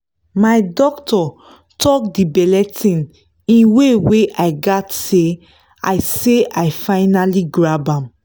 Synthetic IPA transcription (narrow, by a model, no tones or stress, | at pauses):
majdɔktʰɔ | tʰɔk̚dibɛlɛtʰĩn | ĩnweweʔaɪɡatse | a̰ɪseajfaɪnaliɡɹabãm